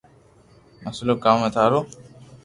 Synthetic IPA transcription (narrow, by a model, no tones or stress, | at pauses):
məslokaːmət̪ʰaːɾoː